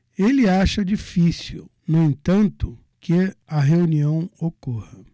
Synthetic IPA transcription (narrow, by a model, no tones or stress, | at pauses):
elɪaʃɐd͡ʒifisiwnʊẽt̪ɐ̃nt̪ʊ | kʰɪɐɦeuniɐ̃w̃okohɐ